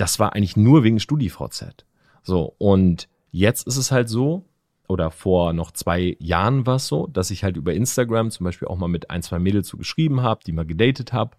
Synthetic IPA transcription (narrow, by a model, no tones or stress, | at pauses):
d̥asv̥aːɐʔa̰ɪŋlɪçnuːɐveːɡŋ̩ʃtuːdifʁa̰ʊt͡sɛ̰t | z̥o̰ːʔʊnt | jɛt͡stɪstɛshaltz̥oː | ʔoːɾɐfoːɐnɔχt͡sv̥aɪja̰ːʁənvaːɐɛsz̥o̰ːd̥asɪçhaltʔyːbɐʔɪnstaɡʁamt͡sʊmbaɪʃpiːlʔaʊxmaːlmɪtʔa̰ɪnt͡sv̥aɪmɪːdl̩t͡suːɡəʃʁ̥iːbm̩ɦaːbəd̥iːmaːlɡədɛɪtətha̰ːbə